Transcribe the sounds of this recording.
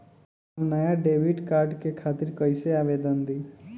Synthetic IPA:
mnəjaɖeʋiɖkaɾɖkekʰat̪iɾkəjseaʋed̪ənd̪i

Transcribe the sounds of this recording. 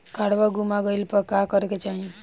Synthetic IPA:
kaɽʋaɡumaɡəjlpəɾkakəɾket͡ʃaɦĩ

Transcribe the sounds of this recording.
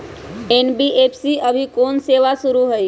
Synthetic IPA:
eːnbiʔeːpʰsiəbʱikoːnseːʋasʊɾuɦəi

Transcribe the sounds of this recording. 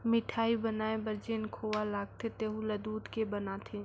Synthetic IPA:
mɪʈʰaːibɐnaːebəɾd͡ʒeːnkʰoːʋalaːɡ̚t̪ʰet̪eːɦũlɐd̪uːt̪kebɐnaːt̪ʰeː

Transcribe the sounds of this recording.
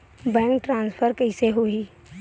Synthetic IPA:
bɛ̃ːŋk̚ʈɾãːnspʰəɾkəɪseɦoi

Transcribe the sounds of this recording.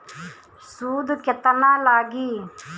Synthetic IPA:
suːd̪ket̪ɐnaːlaːɡiː

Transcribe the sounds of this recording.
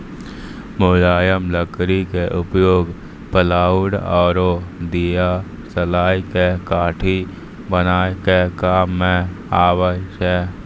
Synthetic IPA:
moːlaːjəmləkɾikeʔʊpjoːɡ | pəlaːʊɽɔːɾod̪ija | səlaːikekaːʈʰi | bənaːkekaːmːẽaːwəʃɛ

